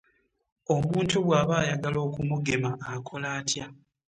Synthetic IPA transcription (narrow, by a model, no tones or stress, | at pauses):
o̞muːntuβwaːβaːjaɡalo̞ːkumuɡe̞maːkʰo̞laːtja